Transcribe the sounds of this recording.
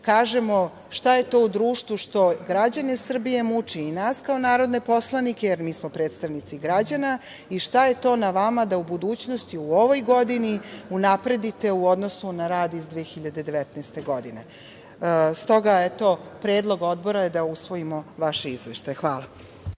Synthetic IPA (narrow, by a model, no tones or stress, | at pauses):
kaːʒe̞mo̞ | ʃt̪aje̞t̪o̞ːud̪ɾuːʃt̪ʋuʃt̪o̞ɡɾad͡ʑanisr̩bije̞mut͡ʂiːnaːskaonaːɾo̞d̪ne̞po̞slˠanikʲejeɾmiːsmo̞pɾe̞ːt̪st̪aʋnit̪siɡɾad͡ʑana | iʃt̪ajet̪o̞ːnaʋamad̪aubud̪uːt͡ɕno̞st̪iuo̞ʋo̞jɡo̞d̪iniunapɾe̞d̪it̪e̞uo̞d̪nosunaɾaːd̪izd̪ʋeexiʎad̪e̞d̪e̞ʋet̪nɛst̪e̞ɡo̞d̪ine̞ | st̪o̞ɡaet̪o̞pɾeːd̪lˠo̞ɡo̞d̪bo̞ɾaje̞d̪ausʋo̞imo̞ʋaʃeizʋeʃt̪ajexʋaːlˠa